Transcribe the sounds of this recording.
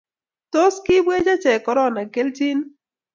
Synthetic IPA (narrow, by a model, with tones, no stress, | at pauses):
to˦skɪ˦bwe˦d͡ʒa˦t͡ʃɛ˨kɔ˨ɾɔ˦˨na˨ke˦lt͡ʃi˦n